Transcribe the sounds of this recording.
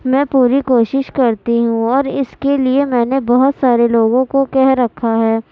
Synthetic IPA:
mɛ̃ːpuːɾikoːʃɪʃkɐɾt̪iɦũɔːɾɪskeliemɛ̃ːnebɔɦʊt̪saːɾeloːɡõkokɛɦɾɐkʰːaɦɛː

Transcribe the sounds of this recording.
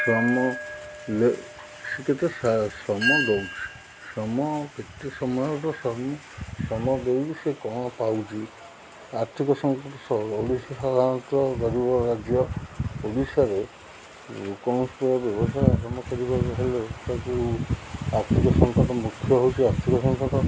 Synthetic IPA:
sɔmɔle | siket̪esasɔmɔd̪ewt͡ʃʰi̥ | sɔmɔket̪ːesɔmɔɔt̪ɔsɔm | sɔmɔd̪ewɾisekɔɽ̃ɔpawt͡ʃʰi | aɾt̪ʰikɔsɔŋkɔʈɔsɔoɽisɔsad̪ʱanɔt̪ɔɡɔɾibɔɾad͡ʒjɔpoɽisaɾe | ukɔnspɔɾɔbjɔbɔsajakɔmɔkɔɾibɔɦeletaku | aɾt̪ʰikɔsɔŋkɔʈɔmukʰːjɔɦowt͡ʃʰiaɾt̪ʰikɔsɔŋkɔʈɔ

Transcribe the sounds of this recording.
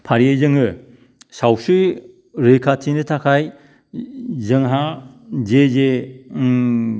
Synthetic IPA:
pʰaɾiezɯŋɯ | sawsɯ | ɾekʰatʰinɯtʰakʰaj | zɯŋɦa | zeze

